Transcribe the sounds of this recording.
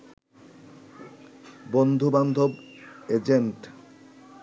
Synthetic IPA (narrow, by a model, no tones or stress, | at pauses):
bond̪ʱoband̪ʱobed͡ʑeɳʈ